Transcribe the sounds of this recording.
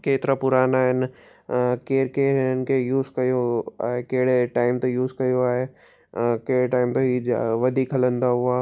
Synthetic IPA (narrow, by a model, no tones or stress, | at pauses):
keːt̪ɪɾapʊɾaːnaːɦɪnɪ | keːɾkeːɾɦɪnənɪ̆kʰejuːzkɐjoa̰ːɦekeɦɪɽeʈaːɪmt̪ojuːzkɐjoaːɦe | keɦɽeʈaːɪmt̪oɦiʋɐd̪ʱikɦɐlə̃nd̪aɦʊaː